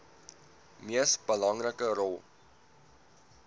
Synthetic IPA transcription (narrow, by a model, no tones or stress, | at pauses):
miəsbəlɐŋrəkəɾɔlˠ